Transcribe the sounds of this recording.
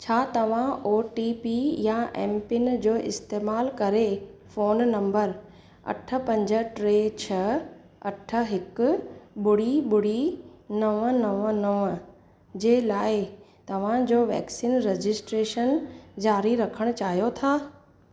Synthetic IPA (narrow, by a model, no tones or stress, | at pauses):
t͡ɕʰaːt̪ɐʋ̤ãoːʈipijaʔɛ̰ːmpɪnd͡ʑoːʔɪst̪eːmaːlkɐɾefoːnnɐ̃mbəɾ | ɐ̰ʈʰə̆pɐ̃ɲd͡ʑə̆ʈɾeːt͡ɕʰɐ | ɐʈʰə̆ɦɪkʊ̆ɓʊɽ̤iɓʊɽ̤inɐʋənɐʋənɐʋə | d͡ʑeːlaːɪt̪ɐʋ̤ãd͡ʑoːʋɛ̰ːksiːnɾed͡ʑɪsʈɾeːʃənd͡ʑaːɾiɾɐkʰəɽ̃ʊt͡ɕaːɦijot̪ʰaː